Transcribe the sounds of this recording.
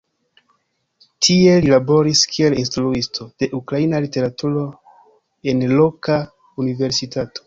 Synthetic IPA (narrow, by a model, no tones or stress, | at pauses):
tʰie̞lilabo̞ɾiskʰie̞linstɾuistʰo̞d̥e̞ʔukɾainalite̞ɾatuɾo̞ | e̞nlo̞ka | unive̞ɾsitato̞̥